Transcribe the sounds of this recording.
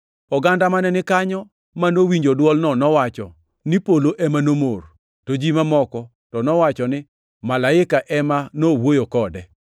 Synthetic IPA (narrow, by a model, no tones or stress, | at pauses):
ɔɡandamanɛnɪkaɲɔ | manowiɲd͡ʒodwɔlnɔnɔwat͡ʃɔ̰ | nɪpoloʔɛmanomor | tod͡ʒimamɔkɔ | tɔnɔwat͡ʃɔnɪ | malaɪkaʔɛmanowojokɔdɛ